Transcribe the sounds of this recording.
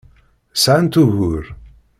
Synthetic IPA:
sʕant̪uɣuɾ

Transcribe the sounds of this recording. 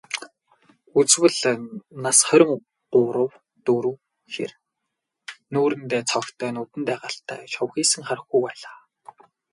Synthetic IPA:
ut͡swɘ̆ɮnasχœɾʲɪ̆ŋ | ɢʊːɾə̆w | t̪uɾɘ̆w | xḛr | nuːɾɘ̆nt̪eːt͡sʰɔkt̪ʰœːnut̪ɘ̆nt̪æːʁaːɬt̪ʰːæ̰ːʃɔwxiːsɘ̆ŋχaɾə̆xujpæːɮaː

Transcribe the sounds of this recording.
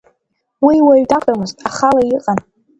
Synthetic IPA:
wiwaɥdakʷʼamɨztʼaχalajiqʼan

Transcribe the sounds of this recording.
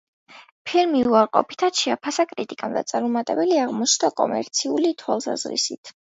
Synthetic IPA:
pʰiɾmiuaɾqʼɔ̰pʰi̥t̪ʰat̪ʃɛapʰasakʼɾit̪ʼikʼamd̪a̰t̪sʼaɾmɔmat̪ʼɛbɛliaʁmɔt͡ʃʰnakʼɔ̰mɛ̰ɾt̪sʰiulit̪ʰwalˠsa̰zɾḭsit̪ʰ

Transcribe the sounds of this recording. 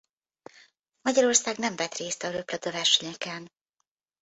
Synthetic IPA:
mɒɟɒɾo̞rsaːɡnɛɱvɛt̪reːst̪ɒɾøplɒd̪ovɛrʃɛɲɛkɛn

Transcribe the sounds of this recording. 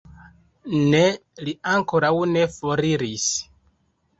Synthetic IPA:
neliaŋko̞ɾawne̞foɾiɾis

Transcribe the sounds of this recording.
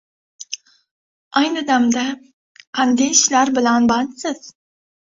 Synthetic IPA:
ajnɨd̪amd̪a | qʰɑnd̪eʃlaɾbɪlanbɑnsɪz̥

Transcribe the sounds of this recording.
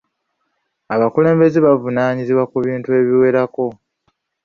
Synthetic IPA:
aβakule̞ːmbe̞zeβavunaːɲiziβwakuβiːntue̞ːβiwe̞ɾako̞

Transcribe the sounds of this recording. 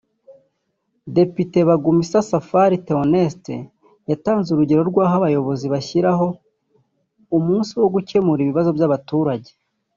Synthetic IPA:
de̞pite̞βaɡumisasafaɾiteone̞stḛ | jataːnzuɾuɟe̞ɾo̞ɾɡwaːɦaβajo̞βo̞ziβaçiɾaɦo̞ | umuːnsiwo̞ɡuce̞muɾiβiβazo̞bjaβatuːɾaɟe̞̥

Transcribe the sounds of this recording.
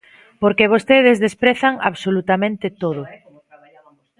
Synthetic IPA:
poɾkeβ̞ost̪eðɪzðespɾeθaŋa̰βsolut̪amẽnt̪ɪt̪oðʊ

